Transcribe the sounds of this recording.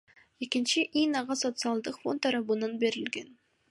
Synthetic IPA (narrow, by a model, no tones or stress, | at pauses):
ekʲɪnʃɪʔijnɑʁɑso̞t̪sɨɑlˠd̪əqfo̰nt̪ʰːɑɾɑbənɑnbeɾɪlɡʲen